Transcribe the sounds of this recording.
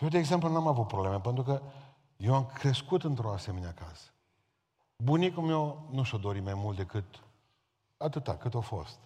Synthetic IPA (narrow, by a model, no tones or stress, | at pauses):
jewd̪eːɡze̞mplunamavut̪̚pɾobleme̞pe̞nt̪ɾukə | jewamkɾe̞skut̪ɨnt̪ɾoase̞me̞neakasə̥ | bunikumewnuʃod̪o̞ɾimajmult̪d̪e̞kɨt̪ | at̪ɨt̪a̰kɨt̪ofo̞̰st̪